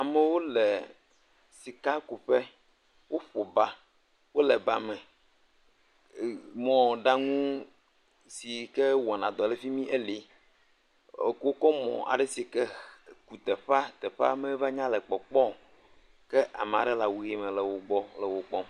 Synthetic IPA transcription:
a˨me˨wo˦lɛ˨ | si˨ka˦ku˨ɸɛ˦ | wo˦ɸo˨ba˦ | wo˦lɛ˨ba˨mɛ̃˨ | mɔ̃˨ɖa˦ŋũ˦ | si˨kɛ˦wɔ˨nã˨d̪ɔ˨le˦fi˦mĩ˦ʔe˦li˨˦˨ | ko˦kɔ˦mɔ̰̃˨ʔa̰˨ɖe˦si˨kɛ˦ku˨t̪ɛ˨ɸa˦t̪ɛ˨ɸa̰˦me˦va˦ɲã˦lɛ˨k͡pɔ˨k͡pɔ˦ | kɛ˦ʔa̰˨me˨a̰˨ɖɛ˦la˨wu˨ɣe˦˨mɛ̃˨lɛ˨wo˨ɡ͡bɔ˦lɛ˨wo˨k͡pɔ˦

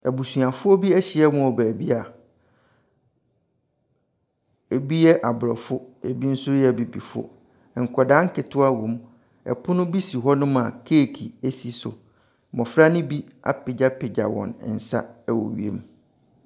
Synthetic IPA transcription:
æ˨bu˨sɥa˨fʊ˦ɔ˦bi˦ɛ˦ɕɪ˨ɛ˦mʊ̃˦ɔ˨bæː˨bi˦a˨ | e˨bi˦jɛ˦ʔa˨bʊ˨ɾɔ˨fʊ˦e˨bi˦n̩˦sʊ˦jɛ˦˨bi˨bḭ˨fʊ̰˦˨ | ŋ̩˨kʰɔ˨dãː˨˦ŋ̩˦kʰɪ˨tʰʊ˦a˦wʊ̃˨m | ɛ̰˨pʰʊ˦nʊ̃˦bi˦si˨ɦɔ˦nʊ̃˦m˦a˨kʰe˦˨kʰi˨e˦si˨sʊ̰˨ | mɔ̃˨fɾa˦nʊ̃˦bi˦a̰˨pɪ˨d͡ʑa˦pʰɪ˨d͡ʑa̰˨wɔ̰̃˨n̰˨n̩˨sa̰˦ɛ˦wo̰˨ɥḭ˦ḛ˦m˦

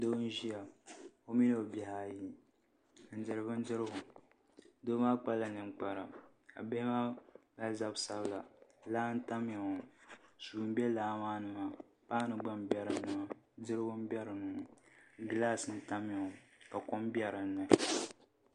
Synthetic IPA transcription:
do˦n̩˦ʒi˦a˨ | o˦mi˦no˨o˨bɛ˨ha˨ji˦˨ | n̩˨dɨ˨ɾɨ˨bɨ˦n̩˦dɨ˦ɾɨ˦bʊ˨ | do˦ma˦k͡pa˦lːa˨nɨ˨m˨k͡pa˨ɾa˨ | ka̰˨be˦hma˦ba˦za˦bsa˦bla˨laː˦n̩˦ta˦m˦a˨o˨su˨m˦bɛ˦laː˦maː˦nɨ˨ma˦ | pa˦nɨ˨ɡ͡ba˦m˦bjɛ˦ɾɨ˨˦nɨ˨ma˦ | dɨ˦ɾɨ˦bʊ˦m̩˦bɛ˦ɾɨ˨nu˨ŋ˨ɡɨ˦la˦sɨ˨˦n̩˦ta˦m˦a˨ka˨ko˦m˦bjɛ˦ɾɨ˨nː˦ɨ˨

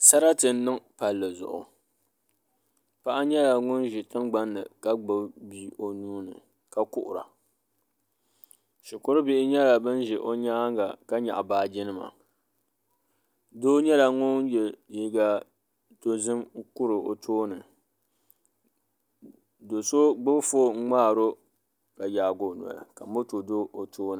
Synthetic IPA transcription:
sa˦ɾa˦tɨ˨n˦nɨ˦ŋpa˨lːɨ˨zʊ̰˨ʔʊ̰˨ | pa˦ʔa˦ɲɛ˦la˨ŋʊ˦nʒɪ˨tɨ˦ŋɡ͡ba˦nːɨ̰˨ka˦ɡ͡bɨ˨bbi˦ʔo˨nuː˦nɨ̰˨ | ka˨kʊ˦ʔʊ˨ɾa̰˨ | ʃɪ˨kʊ˦ɾɨ˦bɪ˦ʔɪ˦ɲɛ˦la˨bɨ˦nʒɛ˨ʔo˦ɲaː˦ŋɡa̰˨ka˦ɲa̰˨ʔbaː˨d͡ʒɪ˦nɨ˦ma̰˨ | do˦ɲɛ˦la˨ŋo˦n˦jɛ˨ji˦ɡa˦ | to˦zɨ˦m˦kʊ˦ɾɨ˨o̰˨tʰoː˦nɨ˨ | do˨so˦ɡ͡bɨ˦bfoː˦ŋ̩˦ŋ͡maː˦˨ɾo˦ | ka˨jaː˨ɡo˨nu˨a̰˨a̰˨ka˨m˦o˦to˨do˦ʔo˨tʰoː˦nɨ˨

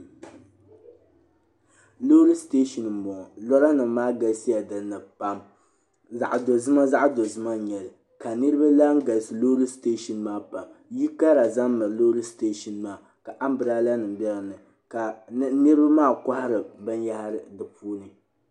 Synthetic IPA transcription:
loː˦ɾi˦ste˦ʃɔ˨n˨m̩˨bɔ˨ŋ˨lɔ˦ɾa˦nɨ˨mːaː˦ɡa˦lsi˦ja˨dɨ˨˦nɨ˨pa˦m | za˨ʔdo˨zɨ˦ma˦za˦ʔdo˨zɨ˦ma˦ɲɛ˨lɨ˨ | ka˨nɨ˦ɾɨ˦ba˦la˦ŋ˦ɡa˨lsɨ˨loː˦ɾi˦steː˦ʃɔ˨nmaː˦pa˨mji˦ka˦ɾa˨za˦mː˦ɨ˨ɾlo˦ɾi˦ste˦ʃɔ˨nmaː˦˨ | ka˨ʔa˦m˦bɨ˨ɾaː˦la˦nɨ˨m˨bɛ˦la˨nɨ˨ | ka˨˦nɨ˦ɾɨ˦ba˦maː˦˨ka˦ha˦ɾɨ˨bɨ˦nja˦ha˦ɾɨ˨dɨ˨puː˦nɨ˨

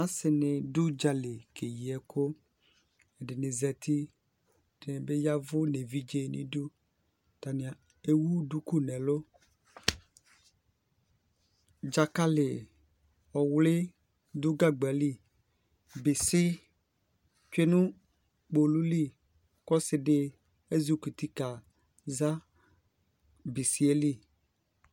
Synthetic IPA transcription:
ã˨˦sɪ˨nɪ̃˨du˦d͡ʒa˨le˨ke˨ji˨ɛ˨kʰo˦ | e˨dɪ˨nɪ̃˨zɛ˨t̪ʰi˦˨ | dɪ˨nɪ̃˨be˦ja˦vʊ˦ne˨vi˦d͡ʒe˦˨nḭ̃˦du˦ | t̪a˨nɪ̃˨a˨ | e˦wu˦du˦ku˦nɛ̃˨lo˦ | d͡ʒa˨ka˦lɪ˨ | ɔ˨wlɪ˦ | d̪ʊ˦ɡa˦ɡ͡ba˨li˦˨ | bɪ˨sɪ˦ | t͡ʃᶣe˦nũ˦ | k͡po˨lu˦li˦ | kɔ˦sɪ˦ɖɪ˦ | e˦zu˦ku˨t̪i˦ka˨ | za˦ | bɪ˨si˨e˦li˦˨

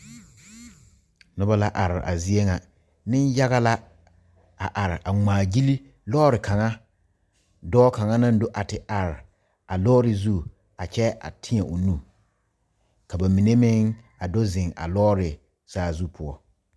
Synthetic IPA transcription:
nʊ˦ba˦la˦ʔa˨ɾɪ˨ʔa̰˨zi˦e˦ŋa˨ | nɪ˦nja˦ɣa˦la˦ | a̰˨ʔa˨ɾɪ˨ʔa˨ŋ͡maː˨d͡ʒi˦li˦ | lɔː˦ɾɪ˨ka˨ŋa˦ | dɔː˦ka˨ŋa˦na˦n˦dʊ˦ʔa˨tɪ˨ʔa˨ɾɪ˨ | a˨lɔː˦ɾɪ˨zu˦ | a˨t͡ʃɛ˦a̰˨tʰɪ˦ɛ˨ʔʊ˨nũ˦˨ | ka˨ba˨mi˨ne˦mɪ˦ŋ | a˨dɔ˦zɪ̃˨ŋa̰˨lɔː˦ɾɪ˨ | saː˦˨zu˦pʰʊ˦ɔ˦

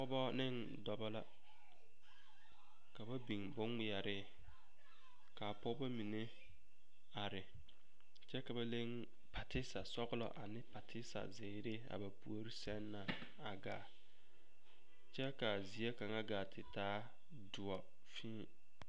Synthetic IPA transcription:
pɔ˦bɔ˦nɪ˦n | dɔ˨bɔ˦la˦ | ka˨ba˦bi˨ŋbʊ˦ŋmɪ˨a˨ɾɪ˦ | ka˨pɔ˦bɔ˦mi˨ne˦ | a˨ɾɪ˨ | t͡ʃɛ˦ka˨ba˦le˦ŋ | pʰa˨tɪ˦sa˨sɔ˦ɣlɔ̰˦ʔa˨nɪ˦pa˨tʰɪ˦sa̰˨ze˨ɾe˦a̰˨ba˨pu˨o˦ɾi˦sɛ˦nːa˨ | a˨ɡaː˨ | t͡ʃɛ˦ka˨zi˨˦e˦ka˨ŋa˦ɡa˨tʰɪ˨taː˦ | dʊ˨ɔ˨ | fĩː˦˨

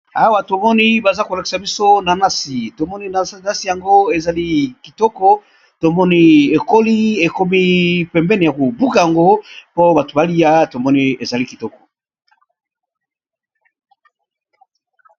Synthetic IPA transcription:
a˨wa˨to˨mɔ˦ni˦ba˨za˦ko˨la˨ki̥˨sa˨bi˦so˦na˨na˦si˨to˨mɔ˦ni˦n˨na˦si˨ja˨ŋɡo˦e˨za˨li˦ki˨tɔ˦kɔ˦ | to˨mɔ˦ni˦e˨ko˦li˦e˨ko˦mi˦pɛ˨mbɛ˦ne˨ja˨ko˨bu˦ka˨ja˨ŋɡo˦po˦ba˨to˨ba˦li˦ja˦to˨mɔ˦ni˦e˨za˨li˦ki˨tɔ˦kɔ̥˨

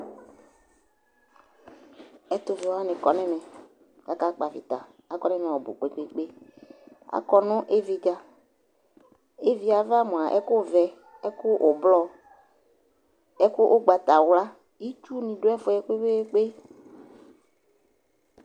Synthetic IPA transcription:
ɛ˦t̪ʊ˨vi˨a˦nɪ̃˨kɔ˨nɛ˦mɛ˨ | ka˨ka˦k͡pa˨vɪ̰˨t̪a̰˨ | a˨kɔ˨˦nɛ˦mɛ̃˨ɔ˨bʊ̰˨k͡pe˨k͡pe˨k͡pe˦ | a̰˨kɔ˦nʊ̃˦ʔe˦vi˨ɡa˨ | e˦vi˨a˨va˦mʊ̃˨a˨ʔɛ̰˦kʊ˦˨vɛ˨ | ɛ˦kʊ˦ʔʊ˨blɔ˦ | ɛ˦kʊ˦ʔʊ˦ɡ͡ba˨t̪a˨wla˦ | i˦t͡ʃu˦nɪ̃˨dʊ˦ɛ˦fʊ˨˦ɛ˦ke˦we˦k͡pe˦

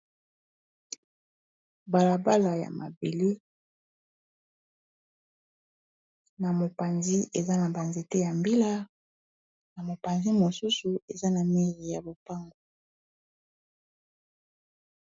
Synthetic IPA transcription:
ba˨la˨ba˦la˨ja̰˨ma˨be˨li˦ | na˨mo˨pa˨nzi˦e˨za˦na˨ba˨nze˨te˦ja˨mbi˦la˦ | na˨mo˨pa˨nzi˦mo˨su˦su˨e˨za˦na˨mi˦ʁi˨ja˨bo˨pa˦ŋɡo˨

